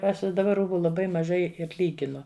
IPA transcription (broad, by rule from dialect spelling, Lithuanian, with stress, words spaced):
ˈɐʃ ɪ dɐˈbɐ ˈruːbʊ lˠɐˈbɐɪ mɐˈʒɐɪ ɪr ˈlʲiːɡʲɪnʊ